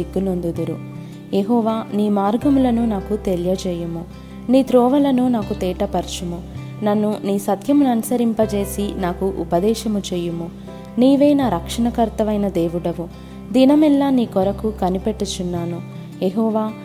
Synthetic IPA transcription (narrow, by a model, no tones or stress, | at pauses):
iɡːunond̪ud̪uɾu | jeɦɔːʋaːniːmaːɾɡɐmulɐnunaːkut̪eljɐt͡ʃɛːjumu | niːt̪ɾɔːʋɐlɐnunaːkut̪ɛːʈɐpɐɾt͡ʃumu | nɐnːuniːsɐt̪jɐmunɐnɐsɐɾimpɐt͡ʃe̞ːsinaːkuʔṵpɐd̪ɛːʃɐmut͡ʃɛːjumu | niːʋeːnaːɾɐkʂɐɳɐkɐɾt̪ɐʋɐjnɐd̪eːʋuɽɐʋu | d̪inɐmɛlːaːniːkɔɾɐkukɐnipeʈːut͡ʃunːaːnu | jeɦɔːʋaː